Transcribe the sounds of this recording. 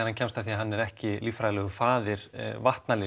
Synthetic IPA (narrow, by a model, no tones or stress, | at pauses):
ɾhancʰɛmst̪aθiːaɦanːɛɾɛhcɪlifɾalœɣʏfaːðɪɾ̥vaht̪nalɪ